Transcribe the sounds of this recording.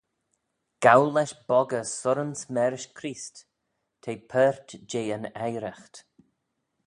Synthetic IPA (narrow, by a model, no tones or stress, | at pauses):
ɡ̥awlɛʃbɔɡəsʊɾənsmɛɾɪʃkʰɾiːst̪ | tʰeːpʰɛɹt̪d͡ʒeːənɛjɾəxt̪